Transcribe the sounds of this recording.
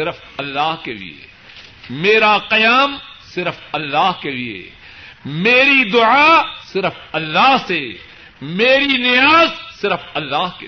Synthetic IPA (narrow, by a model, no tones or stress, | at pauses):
ɪɾəf | ɐlːaːɦkelḭḛ | meːɾaqɐjaːmsɪɾəfɐlːaːɦkelḭḛ | meːɾid̪ʊʕaːsɪɾəfɐlːaːɦse | meːɾinɪjaːzsɪɾəfɐlːaːɦke